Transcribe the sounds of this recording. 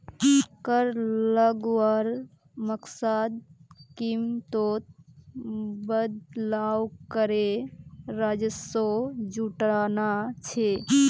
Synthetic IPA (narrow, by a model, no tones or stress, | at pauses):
kəɾləɡwəɾ | məksad̪̚kimt̪ot̪̚ | bəd̪lawkəɾeɾad͡ʒəsod͡ʒuʈɾanat͡ʃʰe